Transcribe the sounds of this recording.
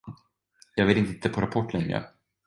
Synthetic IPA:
jɑːɡveːt̪ɪnt̪ɪnt̪əpʰɔɾapʰɔʈːlɛŋɾə̰

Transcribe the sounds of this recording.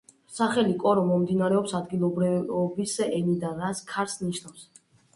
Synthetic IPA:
saχɛlikʼɔɾɔmɔmd̪inaɾɛɔpsad̪ɡilˠɔbɾibisɛʔɛnid̪anɾat̪skʰaɾsniʃnafs

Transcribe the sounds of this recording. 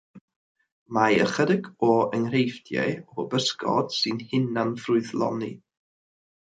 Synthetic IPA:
majə̰χədɪɡɔənrejfdjɛ̰ɔbəskʰɔ̰d̥sɨnhɪnanfrʊɨðlˠɔ̰ni

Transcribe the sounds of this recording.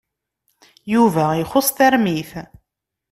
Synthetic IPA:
juvæiχʊsˤθæɾmiθ

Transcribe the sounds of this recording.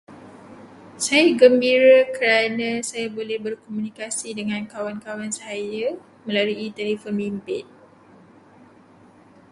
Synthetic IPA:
sajaɡəmbiɾakəɾanãsajabolɛhbərkomũnikasidəŋãnkawankawansaja | mə̃laɾuit̪ɛlifɔnbimpɪt̪̚

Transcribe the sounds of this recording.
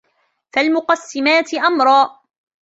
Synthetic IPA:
falmʊqɑsːɪmaːt̪ɪʔamɾˤɑːʔ

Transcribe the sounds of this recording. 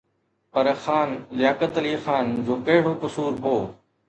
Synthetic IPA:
pɐɾxaːnlɪjaːkət̪liːxaːnd͡ʑoːkɐɦɪɽoːkʊsuːɾɦoː

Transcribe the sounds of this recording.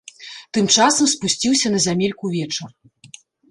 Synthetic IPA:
t̪ɨmt͡ʂasɐmspusʲt͡sʲiwsʲɐnɐzʲamʲelʲkuvʲɛt͡ʂɐr

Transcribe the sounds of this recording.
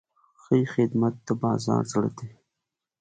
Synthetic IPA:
xəixɪd̪mat̪̚ːəbɑːzɑ̰ːɾzaɽa̰d̪e

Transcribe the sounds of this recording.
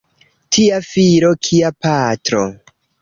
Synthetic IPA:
tʰiafiɾokʰiapatɾo̞̰

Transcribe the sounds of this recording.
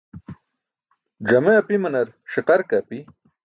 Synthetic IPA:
d͡ʑɐmeɐpimɐnɐɾɕiqɐɾkɐpi

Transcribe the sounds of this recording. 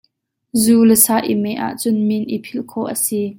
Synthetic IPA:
zuːləsaːʔimɛʔa̰ʔt͡sʊnminʔipʰilkʰɔʔəsi

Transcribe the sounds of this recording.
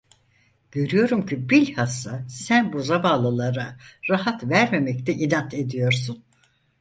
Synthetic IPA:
ɟ̥ø̞ɾyjo̞ɾumcʰibilʲhasasænbuzabaːlˠalˠaɾaɾaɦat̪væɾme̞mɛc̚t̪ʰɛʔinant̪ʰe̞d̪ijo̞ɾsun

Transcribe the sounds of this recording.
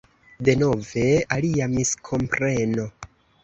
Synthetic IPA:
de̞no̞ve̞aliamiskʰo̞mpɾe̞no̞

